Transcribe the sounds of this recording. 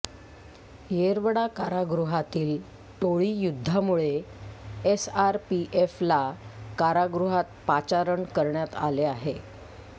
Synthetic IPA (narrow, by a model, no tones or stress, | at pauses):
jeɾʋɽakaɾaɡɾuɦat̪iːl | ʈoɭiːjud̪ʱːamuɭe | esaɾpiʔeflakaɾaɡɾuɦat̪̚pat͡ɕaɾəɳkəɾɳjat̪a̰leaɦe